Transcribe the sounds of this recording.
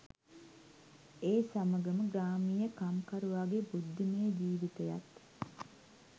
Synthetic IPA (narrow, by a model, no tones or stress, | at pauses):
eːsaməɡəməɡɾaːmijəkamkaɾuʋaːɡebud̪ʱːimejd͡ʒiːʋit̪eja̰t̪